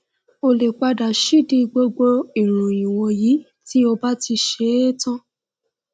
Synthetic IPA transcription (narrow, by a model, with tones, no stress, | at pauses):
o˧le˨k͡pa˧da˨ʃi˦˨di˧ɡ͡bo˧ɡ͡bo˧i˨ɾ̃ũ˨ĩ˨wo˧ji˨˦ | ti˦o˧ba˦ti˧ʃe˨˦tã˦